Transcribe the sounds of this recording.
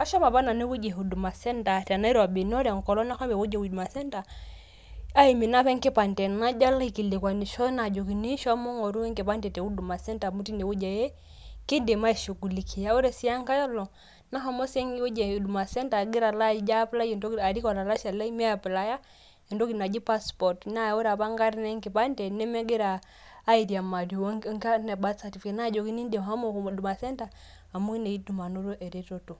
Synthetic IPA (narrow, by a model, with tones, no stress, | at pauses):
a˦ʃɔ˦ma˨βa˦na˨ne˦wu˦d͡ʒɛ˨ɦu˨du˨ma˨sɛ˦nta˨ta˨na˦i˦ɾa˨bi˨n˦ɔ˦ɾɛ˨ŋ̩˨kɔ˨lɔ˦na˦xɔ˦bɛ˨wu˦d͡ʒɛ˨wi˨du˨ma˨sɛ˦nta˨ | a˦i˨mi˨na˦pɛ˦ŋ˦ke˦pa˨n˨tɛ˨na˦d͡ʒa˦la˦i˨ki˨le˨kwa˨ni˨ʃɔ˦na˨d͡ʒɔ˨ki˨ni˦ʃɔ˦mɔ˦ŋɔ˨ɾu˦ɛ˦ŋke˨pa˦ntɛ˨tɛ˨u˦du˨ma˨sɛ˦nta˨mu˦ti˦ne˨wu˦d͡ʒa˨jɛ˦ki˦de˨ma˦i˨ʃu˨ɡu˨li˨kʰi˨ja˦u˦ɾɛ˨si˦a˦ŋka˦ja˦lɔ˨ | na˦ɦɔ˦mɔ˦sɛ˦ŋɡi˦u˦d͡ʒɛ˨du˨ma˨sɛ˦nta˨ɡi˦ɾa˨la˦id͡ʒa˦pla˦jɛndɔ˦a˨ɾi˦kɔ˨la˨la˦ʃa˨la˦i˦mɛ˦apla˨ja˦ | ɛ˨ndɔ˦kina˨d͡ʒi˦pa˦spɔtna˦ɔ˦ɾa˨βa˦ŋɡa˦ɾi˦nɛ˦ŋki˨pa˦ndɛ˨nɛ˦mɛ˦ɡɛ˦ɾaː˨˦ | i˨ɾi˨a˨ma˨di˨ŋka˦nɛ˨ba˦sa˨ti˨fkɛ˨na˦˨d͡ʒɔ˨ki˦ni˦ndɛ˨mha˦mɔ˦ku˨m˨du˨ma˨sɛ˦ntaː˨ | mu˦i˦nɛ˨i˦du˨ma˨nu˦ɾɔ˦ʔɛ˨ɾɛ˦tɔ˨tu˨